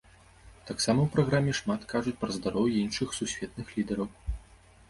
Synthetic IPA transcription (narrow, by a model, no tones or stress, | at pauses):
t̪aksamɐwpɾaɣɾamʲɛʂmat̪kaʐut͡sʲpɾɐzd̪aɾɔwjinʂɨxsusʲvʲɛt̪̚nɨxlʲid̪ɐɾɐw